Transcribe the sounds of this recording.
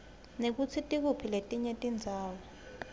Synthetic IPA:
nek̬ut͡sʰitʼik̬upʰiletʼiɲɛtʼind͡zʱaːwɔ

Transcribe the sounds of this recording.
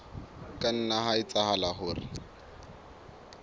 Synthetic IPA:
kʼan̩naɦaɪt͡saɦalaɦʊːrɪ̰

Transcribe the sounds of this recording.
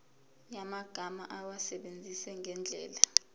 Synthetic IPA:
jamaɡ̥ʱamaʔawasɛɓend͡zʱisɛŋʱɛnd͡ɮʱɛːla

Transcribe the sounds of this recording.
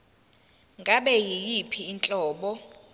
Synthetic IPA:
ŋɡʱaɓɛjijipʰiːnt͡ɬʼɔːɓɔ

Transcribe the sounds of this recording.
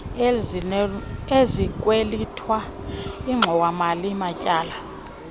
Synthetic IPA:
ezikʼwelitʰwa | iŋ͡ǁʱɔwamalimacʼaːla

